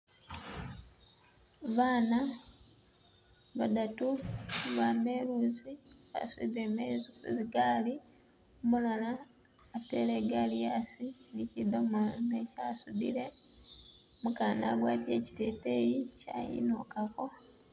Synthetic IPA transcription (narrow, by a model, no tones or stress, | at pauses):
βaːna | βadatuβameluːziβa̰sudiɾemezuziɡaːli | mulalaː | te̞leɡalijasinicidomonecaːsudḭɾe̞ | mukaːna̰ɡwaːtje̞ci̥teːte̞jica̰jḭnokako̞